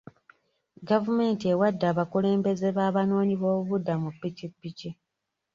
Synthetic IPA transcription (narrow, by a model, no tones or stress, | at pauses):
ɡavume̞ːntie̞wadːaːβakule̞ːmbe̞ze̞βaːβano̞ːɲiβo̞ːβuβudːamupːicipːici